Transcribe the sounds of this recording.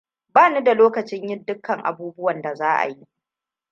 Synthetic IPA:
baː˦nu˦da˨loː˦kɐ˨t͡ʃɪ˦ɲjɪ˦ndʊ˦kʰːɐ˨ŋʔa̰˨buː˦bʊ˦wɐ˨nda˨zaː˦ʔa̰˨ji˦ʔ

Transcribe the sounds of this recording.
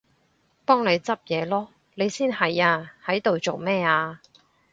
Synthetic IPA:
pɔː˥ŋle˨˧jt͡sɐ˥p̚jɛː˨˧lɔː˥ | le˨˧jsiː˥nhɐ˨jaː˧hɐ˨˥jt̪o˨wt͡so˨wmɛː˥aː˧

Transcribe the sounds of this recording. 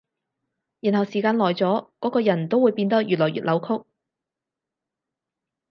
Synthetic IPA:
jiː˨˩nɦɐ˨˩wsiː˨˩kaː˧nlɔː˨˩jt͡sɔː˨˥kɔː˨˥kɔː˧jɐ˨˩nt̪o˥wu˨˧jpiː˧nt̪ɐ˥k̚jyː˨t̚lɔː˨˩jy̰ː˨t̚lɐ˨˧˥wkʰʊ˥k̚

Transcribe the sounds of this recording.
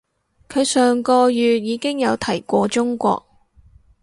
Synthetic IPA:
kʰɵ˨˧ɥsœː˨˩ŋkɔː˧jyː˨t̚jiː˨˧kɪ˥ŋjɐ˨˧wt̪ʰɐ˨˩jkʷɔː˧t͡ʃʊ˥ŋkʷɔ̰ː˧k̚

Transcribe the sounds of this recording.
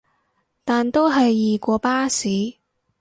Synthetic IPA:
t̪aː˨nt̪o˥wɦɐ˨jːiː˨˩kʷɔː˧paː˥siː˨˥

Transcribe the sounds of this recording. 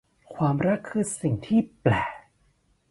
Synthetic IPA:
kʰwaː˧mɾa˦˥kʰːɯ˧˥˩t̪̚si˨˩ŋt̪ʰiː˥˩plɛː˨˩

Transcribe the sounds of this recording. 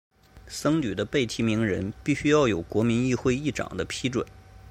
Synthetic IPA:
sɤ˥ŋny˨˩d̪ə˦pe˥˩ɪt̪ʰi˧˥mi˧˥ŋɻə˧˥npi˥˩ɕy˥jɑ˥˩ʊjo˨˩ʊkwɔ˧˥mi˧˥ni˥˧xwe˥˧ɪi˥˩ʈ͡ʂɑ̰˨˩ŋd̪ə˦pʰi˥ʈ͡ʂwə̰˨˩˦

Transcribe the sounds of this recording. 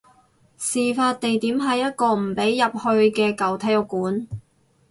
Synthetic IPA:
siː˨faː˧t̚t̪e˨jt̪iː˨˥mɦɐ˨jːɐ˥t̚kɔː˧m̩˨˩pe˨˥jːɐ˨p̚hɵ˧ɥkɛː˧kɐ˨wt̪ʰɛː˥jʊ˨˧kːuː˨˥n

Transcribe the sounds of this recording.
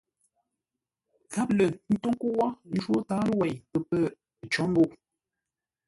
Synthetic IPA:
za˦p̚lə˨nn̩˦to˦ŋku˦wɔ˦n̩˦d͡ʒwo˦taː˦lə˦wɛ˨jpə˨pə˦˨ | t͡ʃɔ˨˦m˦bo˦˨ʔ

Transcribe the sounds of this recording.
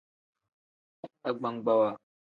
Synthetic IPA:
a˦ɡ͡ba˦ŋɡ͡ba˦wa˦˨

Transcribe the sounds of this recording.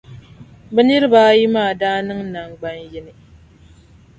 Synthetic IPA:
bɛ˦ni˦ɾɨ˦baː˦ji˦maː˦˨daː˦nɨ˦ŋna˨ŋɡ͡ba˦njɪ˦nɨ˨

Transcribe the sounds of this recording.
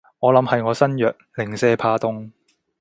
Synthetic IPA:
ŋɔː˨˧lɐ˨˧˥mhɐ˨jŋɔː˨˧sɐ˥njœː˨k̚lɪ˨˩ŋsɛː˥pʰaː˧t̪ʊ˥ŋ

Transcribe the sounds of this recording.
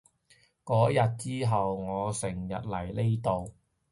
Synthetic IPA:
kɔː˨˥jɐ˨t̚t͡siː˥ɦɐ˨wŋɔː˨˧sɪ˨˩ŋjɐ̰˨t̚lɐ˨˩jle˥jt̪o˨w

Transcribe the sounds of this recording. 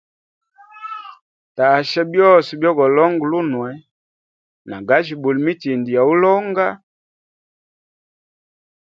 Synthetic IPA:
ta˨ʃɛ˦bjɔ˦˨sɔ˨bjɔ˦ɡɔ˨lɔ˦ŋɡlu˦nwɛ˨ | na˨ɡa˦ʃi˨bu˨lmi˦ti˨ndi˨ja˨u˦lɔ˦ŋɡa˦

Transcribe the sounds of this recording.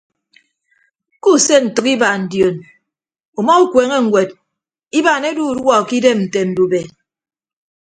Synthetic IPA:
ku˦˨se˦n̩˨tɨ˨ki˦ba˨n̩˨djo˨n | o˨mɔ˦u˦kweː˨ŋe˦ŋ̩˨ɡʷwe˨d | i˦ba˨ne˦du˦˨dwɔ˦˨ki˦de˦mn̩˨te˨n̩˨du˨be˨

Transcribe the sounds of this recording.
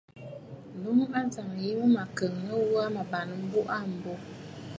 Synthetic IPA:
nu˦m˦a˦za˨ŋ˨ji˦mə˦ma˨kə˨ŋnə˦wu˦a˦ma˨ba˨nə˨m̩˦bu˦ʔa˦m̩˨bo˦

